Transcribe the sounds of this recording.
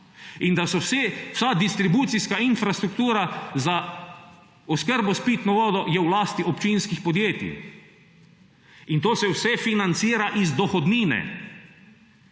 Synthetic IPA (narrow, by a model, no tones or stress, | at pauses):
ind̪asɔsɛ̥sad̪ist̪ɾibuːt̪siskainfɾast̪ɾukt̪uːɾaza | ɔskəɾbɔspiːt̪nɔʋɔːd̪ɔjɛwlaːst̪iʔɔpt͡ʃinskixpɔd̪jeːt̪ḭ | int̪oːsɛwsɛfinant̪siːɾaʔizd̪ɔxɔd̪niːnɛ̰